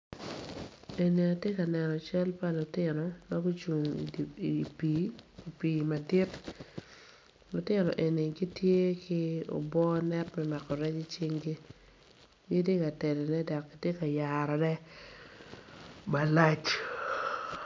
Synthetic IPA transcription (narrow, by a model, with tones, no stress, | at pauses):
e˨ni˨a˨tje˦ka˨nɛ˨nɔ˨t͡ʃa˦lpa˦lʊ˨tɪ˦nɔ˨ma˦ɡo˦t͡ʃu˨ŋḭ˨piː˨i˨piː˨ma˨dɪ˦t | lʊ˨tɪ˦nɔ˨ʔe˨ni˨ɡi˦tje˦kɪ˦o̰˨bɔ˦nɛ˦tmɛma˨kɔ˨ɾɛ˦t͡ʃi˦t͡ʃi˦ŋɡi˦ | je˦di˦ka˨te˨dɛ˨nɛ˦dɔ˨kːa˨tje˦ka˨ja˨ɾɔ˨dɛ˦ | ma˨la˦t͡ʃ